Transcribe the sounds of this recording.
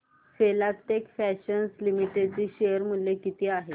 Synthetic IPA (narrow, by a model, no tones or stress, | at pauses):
felap̚ʈ̪ekfæɕənslimiʈet͡ɕiːɕejəɾm̤ulːekit̪iːaɦe